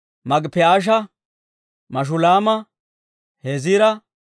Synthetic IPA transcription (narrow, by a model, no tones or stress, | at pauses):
mɐɡpɛaːʃ̬ɐ | mɐʃ̬ʊlaːmɐ | heziːɾɐ